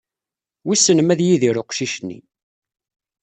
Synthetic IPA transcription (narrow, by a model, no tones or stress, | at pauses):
wisənəmæðjiðiɾʊqʃiʃnːḭ